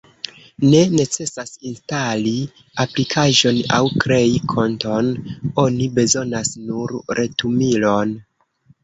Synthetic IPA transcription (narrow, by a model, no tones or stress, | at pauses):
ne̞ne̞t͡se̞sasinstali | aplikʰaʒo̞na̰wkɾe̞ikʰo̞ntono̞nibe̞zo̞nasnuɾɾe̞tumilo̞n